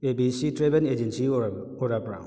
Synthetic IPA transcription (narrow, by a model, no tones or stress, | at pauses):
ebisitɾebɛned͡ʒensi | ɔɾapɾa̰